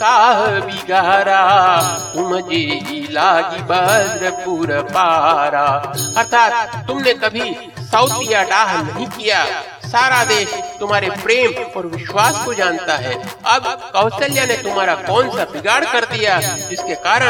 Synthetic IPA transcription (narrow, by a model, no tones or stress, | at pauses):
kaːɦbʱiɡaːɾat̪ʊmd͡ʒeɦilaːd͡ʒibəd̪ɾəpuːɾəpaːɾaɐɾt̪ʰaːt̪̚ːʊmnekɐbʱi | sɐʊt̪ijaɖaːɦnɐɦĩkija | saːɾad̪eːʃt̪ʊmɦaːɾepɾeːmɔːɾʋɪʃwaːskod͡ʒaːnt̪aɦɛː | ɐbkɐːsəljanet̪ʊmɦaːɾakɔːnsabɪɡaːɽkɐɾd̪ijad͡ʒɪskekaːɾə